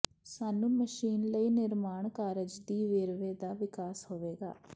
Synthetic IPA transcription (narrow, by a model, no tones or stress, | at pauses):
saːnũːməʃiːnləiːnɪɾmaːɳkaːɾɪd͡ʒd̪iːʋeːɾʋeːd̪aːʋɪkaːshoːʋeːɡa̰ː